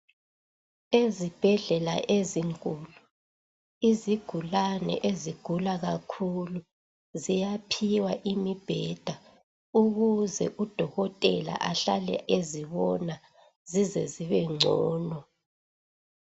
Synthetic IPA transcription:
ezib̥ʱɛɮɛla̰ʔeziŋkʼuːlu | iziɡ̥ʱulanɛ̰ʔeziɡ̥ʱulaɣakʰulu | zijapʰiwaʔimib̥ʱɛd̥ʱa | uɣuzɛʔud̥ʱɔɣɔtʼɛla̰ʔaɬalɛ̰ʔeziβɔna | zizɛziβɛŋ͡ǀʱɔːnɔ

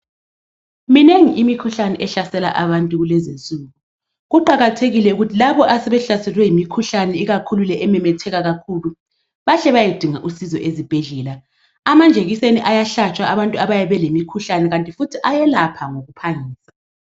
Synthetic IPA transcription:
mineŋiʔimikʰuɬanɛʔɛɬasɛla̰ʔaβantʼuɣulɛzenzʼuːɣu | ɣuǃaɣatʰeɣilɛuɣutʰilaβɔʔasɛβɛɬasɛlwɛjimikʰuɬanɛiɣakʰululɛʔɛmɛmɛtʰɛɣaɣakʰulu | βaɬɛβajid̥ʱiŋaʔusizɔʔezib̥ʱɛɮɛːla | amand͡ʒʱeɣiseniʔajaɬat͡ʃʼwaaβantʼuaβajaβɛlemikʰuɬanɛɣantʼifutʰiʔajɛlapʰaŋoɣupʰaŋiːsḁ

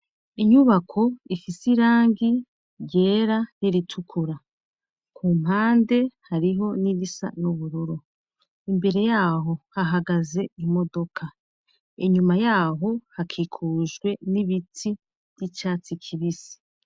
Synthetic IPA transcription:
iɲuβakʰoifisiɾaːŋɡi | ɾɟe̞ːɾaniɾitʰukʰuɾa | kʰuːm̥aːnde̞haɾiɦo̞niβisa̰juβuɾuɾo | imbe̞ɾe̞jaːɦo̞haɦaɡaze̞imo̞do̞kʰa | iɲumajaːɦo̞hakʰikʰuːʒɡwe̞niβiti | β̥jit͡ʃaːt͡sikʰiβisi̥

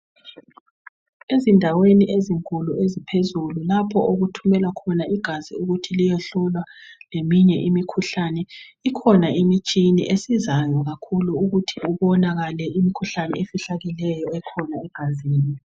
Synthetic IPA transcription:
ezindʱaweniʔeziŋkʼuluezipʰezululapʰɔʔoɣutʰumɛlwakʰɔnaiɡ̥ʱaziuɣutʰilijɔɬulwalemiɲɛʔimikʰuɬanɛikʰɔnaimit͡ʃʼinḭʔesizajɔɣakʰuluuɣutʰiuβɔnaɣalɛimikʰuɬanɛ̰efiɬaɣilɛjɔɛkʰɔnaɛɡ̥ʱaziːni

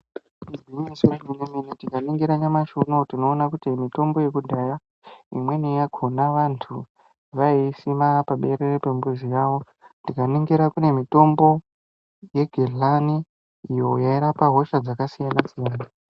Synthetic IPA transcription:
iiɲesuɾad͡ʒuniminitikaniŋɡiɾaɲamaʃono̞tino̞ːnakutimito̞mbo̞je̞kudʱaja | ḭmwe̞nijaɡʱo̞naʋantʰu | ʋaisimapaɓe̞ɾerepe̞mbuzijaʋo̞ | ndikaniŋɡiɾakune̞mito̞mbo̞ | je̞ɡʱelaniː | jo̞jaiɾapaɦoʃad͡zakasijanasijaːna

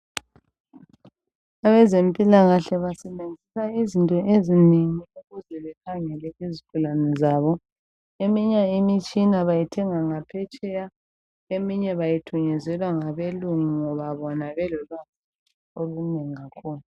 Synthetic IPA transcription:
aβɛzempʼilaɣaɬɛβasɛβend͡zʱisaizintʼɔʔezineŋiuɣuzɛβɛkʰaŋɛlɛizikʰulanɛzaβɔ | emiɲaimit͡ʃʼinaβajitʰɛŋaŋapʰɛt͡ʃʼɛja | emiɲɛβajitʰuɲɛzɛlwaŋaβeluŋuŋɔβaβɔnaβɛlɔlwaa | oluneŋiɣakʰuːlu

